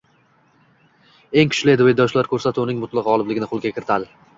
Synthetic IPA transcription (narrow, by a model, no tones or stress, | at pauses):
e̞ŋkʰʊ̥ʃlɪed̪ɪed̪ɒʃlaɾkʰɵɾsat̪ʊnɪŋmʊt̪lˠɨqɒlˠɪblɪɡʲɪnɪqʰolˠɡʲakʲʰɪɾɪt̪ʰad̪ɪ